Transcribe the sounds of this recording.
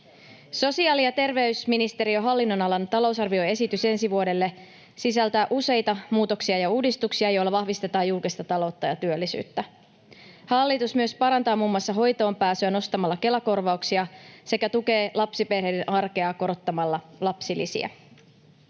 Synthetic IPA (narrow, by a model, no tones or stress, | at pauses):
so̞siɑːliɑt̪e̞rʋe̞ysminist̪e̞ɾio̞ɦɑlːinːo̞nɑlɑnt̪ɑlo̞wsɑrʋio̞e̞sit̪yse̞nsiʋuode̞lːe̞ | sisælt̪æːʔuse̞jt̪ɑmuːt̪o̞ksiɑjɑuːdist̪uksiɑjo̞jlːɑʋɑhʋist̪e̞t̪ɑːjːulkest̪ɑt̪ɑlo̞ːt̪ːɑjɑt̪yølːisy̰ːt̪ːæ | hɑlːit̪usmyø̞spɑɾɑnt̪ɑːmuːmːwɑsːɑɦo̞jt̪o̞ːmpæːsyæno̞st̪ɑmɑlːɑke̞lɑko̞rʋɑuksiɑse̞kæt̪uke̞ːlɑpsiperhe̞jdenʔɑrke̞ɑko̞ɾot̪ːɑmɑlːɑlɑpsilːisḭæ̰